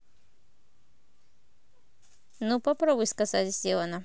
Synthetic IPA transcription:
nupɐpɾobʊjskɐzat̪ʲsʲeənə

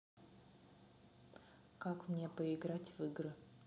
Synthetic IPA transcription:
kakmnʲepəɪɡɾatʲvɨɡrɨ

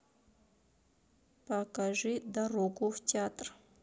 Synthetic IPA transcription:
pɐkɐʐɨd̪ɐɾoɡʊftʲɪat̪r

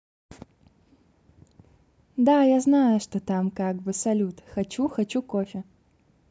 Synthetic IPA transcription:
d̪ajaznajʊʂt̪ot̪amkaɡ̚bɨsɐlʲut̪xɐt͡ʃuxɐt͡ɕukofʲɪ

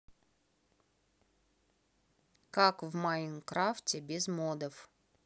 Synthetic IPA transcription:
kakvmaimkɾaftʲebʲɪzmod̪əf

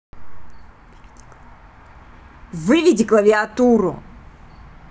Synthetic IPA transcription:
vɨvʲidʲiklˠɐvʲiat̪uɾṵ

